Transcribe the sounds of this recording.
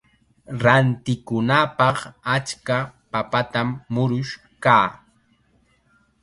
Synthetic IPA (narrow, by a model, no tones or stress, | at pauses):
ɾant̪ɪkʊnapɑχat͡ʃkapapat̪amːʊɾʊʃ | kaː